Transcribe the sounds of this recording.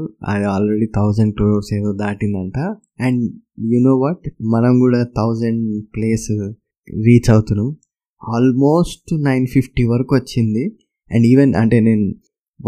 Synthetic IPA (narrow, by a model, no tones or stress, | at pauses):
ɐ̰d̪iaːlɾeɖiːt̪ʰɐwd͡ʒɐɳɖ̚kluːoɾse̞ːd̪oːd̪aːʈind̪ɐɳʈa | ɛ̃ɳɖ | junoːʋaʈmɐnɐmkuːɽaːt̪ʰɐwd͡ʒɐɳɖpleːs | ɾiːt͡ʃɐwut̪unːaːm | aːlmoːsʈnɐjnfʰifʈiʋɐɾɐkuʋɐt͡ʃːind̪i | ɛ̰̃ɳɖiːʋenʔɐ̰ɳʈe̞ːne̞ːnu